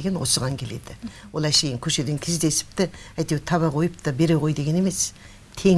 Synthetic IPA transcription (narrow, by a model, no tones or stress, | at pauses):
ɡʲenwosəʁɑŋkʲʰe̞le̞̰d̪ɪ | wolˠæʃe̞jɪŋkʲʰɵʃe̞d̪e̞ŋkʲʰɪzd̪e̞sɪ̥p̚t̪ɪæjt̪e̞wt̪ʰɑβɑʁo̞jəp̚t̪ʰəbe̞ɾeʁo̞jd̪eɡʲeneme̞s | t̪ʰe̞